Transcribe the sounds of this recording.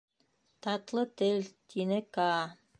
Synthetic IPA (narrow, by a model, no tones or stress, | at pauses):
t̪ɑt̪lˠɤt̪ɘlt̪ʰinɘkɑː